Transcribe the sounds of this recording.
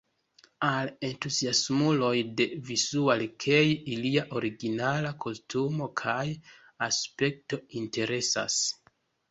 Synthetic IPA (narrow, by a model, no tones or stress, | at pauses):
ale̞ntuziasmulo̞jde̞vizualkʰe̞jiliaʔo̞ɾiɡinalakʰo̞stumo̞kʰaj | aspe̞k̚to̞inte̞ɾe̞sa̰s